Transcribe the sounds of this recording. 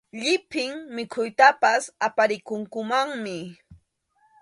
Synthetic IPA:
ʎɪpɪŋmɪkʰʊjt̪apasapaɾɪkʊŋkʊmaŋmɪ

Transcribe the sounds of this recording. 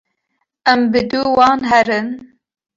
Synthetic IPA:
ɛmbɨd̪uwɑːnɦɛɾɨn

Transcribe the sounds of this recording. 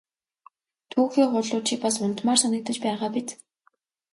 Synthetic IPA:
t̪ʰuːxiːɢʊɮʊːt͡ɕʰipasʊn̥t̪maːrsanə̆k̚t̪ə̆t͡ɕpæːʁaːpit̪

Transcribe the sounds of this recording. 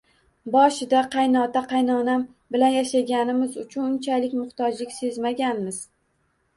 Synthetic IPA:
bɒʃɪd̪aqʰɑjnɒt̪aqʰɑjnɒnam | bɪlanjaʃaɡʲanɪmɪzʊt͡ʃʰʊnʊnt͡ʃʰalɪkʲmʊht̪ɒd͡ʒlɪkʲse̞zmaɡʲanmɪz̥

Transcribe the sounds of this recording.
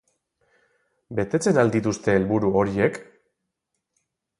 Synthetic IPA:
be̞t̪e̞t͡se̞nald̪it̪ust̪e̞ːlβuɾuo̞ɾie̞k

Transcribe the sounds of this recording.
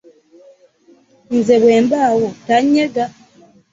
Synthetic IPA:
nzeβweːmbaːwotaɲːeɡa

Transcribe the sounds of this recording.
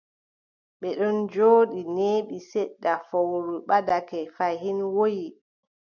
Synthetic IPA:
ɓɛɗɔnd͡ʒoːɗineːɓisɛɗːafowɾuɓadakɛfajhinwoji

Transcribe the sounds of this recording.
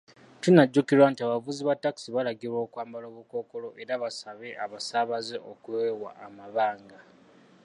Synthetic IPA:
tunːaɟːukiɾwantiaβavuziβatːaki̥siβalaɡiɾwo̞ːkwaːmbalo̞ːβuko̞ːko̞lo̞ʔe̞ɾaβasaβe̞ʔaβasaːβazeʔokuewa̰ʔːmaβaːŋɡa

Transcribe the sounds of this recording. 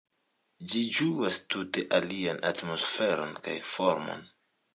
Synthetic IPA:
d͡ʒid͡ʒuastute̞ʔalianatmo̞sfe̞ɾo̞nka̰jfo̞ɾmo̞̰n

